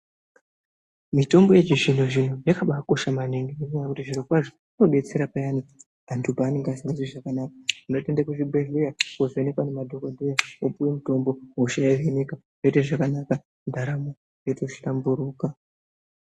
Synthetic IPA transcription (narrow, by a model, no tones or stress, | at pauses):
mito̞mbo̞je̞t͡ʃiʐinoʐin̤ujakaɓako̞ʃamaneŋɡeuenakutiʐirokwaʐo | uno̞ɓe̞t͡se̞ɾapajani | andʰubaːneŋɡasiazwiʐakanakauno̞te̞ndakuʐibʱeɮujakozoene̞kwanemadʱokodʱujaopuwemuto̞mbo̞wouʃajaʋeneka | joteʐakanaka | ndʱaɾamo | jotoʃi̥tambuɾuːka